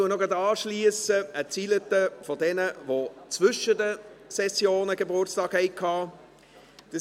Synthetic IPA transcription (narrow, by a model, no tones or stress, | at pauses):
uənɔɡɑd̪ɑːʃliːəsəət͡silət̪əfodɛnəvot͡svʏʃədəsɛsjoːnəɡ̥əbʊtstɑːkhɛɪkʰːɑː | d̥ɑ